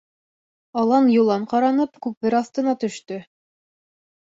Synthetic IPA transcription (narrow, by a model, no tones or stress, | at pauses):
ɑlˠɑnjulˠɑɴqɑɾɑnɤpkʉpɘɾɑθt̪ɤ̆nɑt̪ɵ̆ʃt̪ɵ